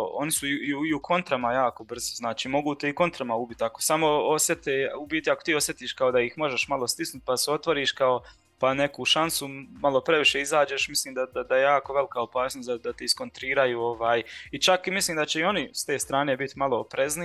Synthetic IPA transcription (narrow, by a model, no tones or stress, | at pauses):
o̞̰nisuiiukʰo̞nt̪ɾamajaːko̞br̩zoznaːt͡ʃiːmo̞ɡuːt̪e̞iko̞nt̪ɾamaubit̪akosamo̞osjet̪eubiːt̪iakot̪iːo̞sje̞t̪iːʃkaod̪aixmo̞ʒe̞ʃmalˠost̪isnut̪̚paseo̞t̪ʋoɾiːʃkao̞ | pane̞kuʃansumalˠo̞pɾeʋiʃeizaːd͡ʑeʃmisliːmd̪ad̪ad̪ajejaːko̞ʋe̞likao̞paːsnosʲd̪ad̪at̪eisko̞nt̪ɾiːɾajuːoʋaːjit͡ʃakimisliːmd̪at͡ɕe̞io̞nist̪e̞ːst̪ɾaːne̞ːbit̪malˠoopɾezni